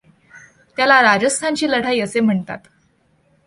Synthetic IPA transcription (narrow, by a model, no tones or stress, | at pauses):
t̪jalaɾad͡ʑəst̪ʰant͡ɕiːləɽ̤ʰaiːəsem̤əɳt̪a̰t̪